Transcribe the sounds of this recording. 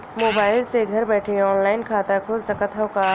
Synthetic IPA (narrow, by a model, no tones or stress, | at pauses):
moːbaːɪlseɡʱɐɾbɛːʈʰeɔːnlaːɪnkʰaːt̪akʰʊlsɐkət̪ʰaʊka